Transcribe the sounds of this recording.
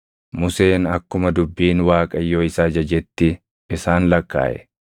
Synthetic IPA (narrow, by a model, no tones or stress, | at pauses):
mʊse̞ːnɐkːʊmɐd̪ʊbːiːnwaːkʼɐjːo̞ːɪsaːd͡ʒɐd͡ʒɛt̪ːɪ | ɪsaːnlɐkːa̰ːʔɛ̰